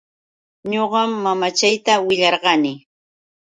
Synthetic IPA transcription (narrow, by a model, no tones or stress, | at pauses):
ɲoɢɑmːamat͡ʃajt̪awɪʎɑɾɢɑnɪ